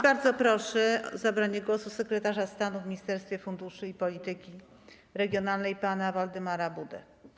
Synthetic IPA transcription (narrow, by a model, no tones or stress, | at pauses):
baɾd̪zɔpɾɔʂɛ̰zabɾaɲɛɡwɔsusɛkɾɛt̪aʐast̪anuvmʲiɲist̪ɛɾst̪fʲjɛfund̪uʂɘipɔlʲit̪ɘkʲi | ɾɛɡʲjɔnalnɛjpanavald̪ɘmaɾabud̪ɛ̰